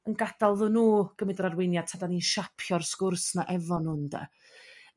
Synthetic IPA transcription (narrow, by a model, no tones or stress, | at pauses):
ənɡad̥alˠðɨːnuːɡ̥əmɪdəɾarwɪnjad̚tʰadaniʃapʰjɔrskʊrsnaʔɛvɔnʊnda̰